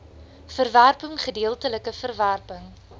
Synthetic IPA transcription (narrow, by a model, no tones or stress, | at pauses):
fərværpəŋχədiəlˠtələkəfərværpəŋ